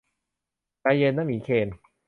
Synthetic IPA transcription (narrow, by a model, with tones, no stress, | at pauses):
ka˧je˧nːa˥˨miː˨˩˦kʰeː˧n